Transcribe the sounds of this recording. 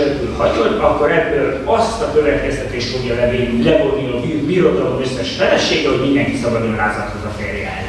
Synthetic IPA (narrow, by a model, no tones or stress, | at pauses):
lt̪ylhɒɟod̪ɒkːo̞ɾɛbːøːl | ɒst̪ɒkøvɛt̪kɛst̪ɛt̪eːʃt̪fo̞ɡjɒlɛveːnilɛbod̪nilobiːrbiɾo̞d̪ɒlo̞møsːɛʃfɛlɛʃeːɡɛho̞ɟmind̪ɛŋkisɒbɒd̪oɾaːzɒt̪hozɒfeːrjɛ̰ːl